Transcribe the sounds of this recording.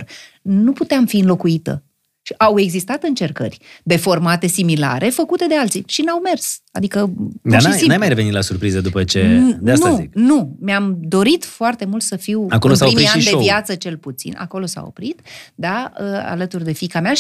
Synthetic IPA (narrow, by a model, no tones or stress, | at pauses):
r | nuput̪eamfiɨnlo̞kuit̪ə̰ | ʃiʔawe̞ɡzist̪at̪ɨnt͡ʃe̞rkə̰rʲd̪e̞fo̞rmat̪e̞simila̰ɾʔe̞fəkut̪e̞d̪ealt̪siʃinawme̞rsa̰d̪ikəd̪aninajmajɾevenit̪lasurpɾizəd̪upət͡ʃed̪easnumeamd̪o̞ɾit̪foart̪e̞mult̪səfiwakolosaoimɾiʃaid̪eovjat̪sət͡ʃe̞lput̪sḭna̰ko̞lo̞sa̰o̞̰pɾit̪d̪aəa̰lət̪urd̪e̞fikama